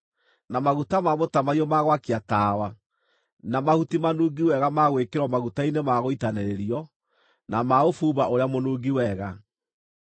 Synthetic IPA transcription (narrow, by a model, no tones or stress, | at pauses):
namaɣutamamotamaiɔmaɣwakiataːwa | namahutimanuːɡiwɛɣamaɣwekeɾwɔmaɣutainemaɣoitanɛɾeɾiɔ | namaofuːβaʔoɾeamonuːɡiwɛɣa